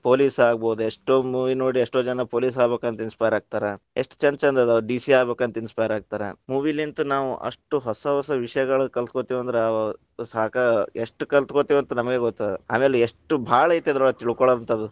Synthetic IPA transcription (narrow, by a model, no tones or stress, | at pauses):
po̞ːliːsaːɡboːd̪ueʂʈoːmuːʋino̞ːɽieʂʈoːd͡ʒɐnɐpoːliːs̬aːbe̞ːkɐnt̪ɐinspajɾaːɡ̚t̪aːɾe | eʂʈu̥t͡ʃɐnt͡ʃɐnd̪ɐd̪ɐɖiːsiaːɡbeːkuɐnt̪ɐinspajɾaːɡ̚t̪aːɾemuːʋilint̪unaːʋuʔɐ̰ʂʈuɦɔsɐɦɔsɐʋiʂɐjɐɡɐɭukɐlt̪kot̪iʋɐnd̪ɾe | saːkɐeʂʈukɐlt̪kot̪iʋɐnt̪unɐmɐɡe̞ɡɔt̪ːaːd̪ɾea̰ːme̞ːleeʂʈubʱaːɭɐjt̪iɐd̪ɾɐɐt̪iɭkɔɭɐʋɐnt̪ʰɐd̪u